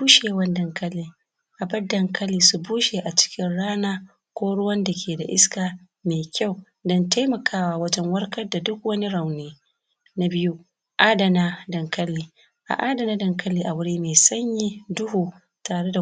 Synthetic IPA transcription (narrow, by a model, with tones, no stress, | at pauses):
uː˦ʃeː˨wɐ˦ndɐ˨ŋkɐ˦lːiː˨ | ʔa˨bɐ˦dɐ˨ŋkɐ˦lːiː˨su˨buː˦ʃeː˨ʔa˨t͡ʃɪ̥˦kʲɪ˦nɽaː˦naː˦ | kʷoː˦ɽʊ˦wɐ˦nda˨kʲʰeː˨da˨ʔɪ̰˦skaː˨ | meː˨kʲa˦˨w | dɔ˦nta˦jmɐ˨kʰaː˦waː˨wɐ˦t͡ʃɐ˦ŋwɐ˦ɾkɐ˦rda˨dʊ˦k̚wɐ˦ni˦ɽa˨wneː˦ | na˦bɪ˦ju˦ | ʔaː˦dɐ˨naː˦dɐ˨ŋkɐ˦lːiː˨ | ʔa̰˨ʔaː˦dɐ˨na˦dɐ˨ŋkɐ˦lːiː˨ʔa˨wʊ˦ɽiː˦meː˨sɐ˦ɲjiː˦dʊ˦huː˨ | taː˨ɽe˦da˨